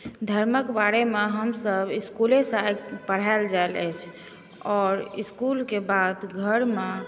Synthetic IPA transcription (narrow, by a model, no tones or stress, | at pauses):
d̪ʱəɾməkbaɾemeɦəmsəbiskulesajɡpəɽ̤aeld͡ʒaelɛ̰t͡ʃʰ | ɔːɾḭskulkebad̪ɡʱəɾme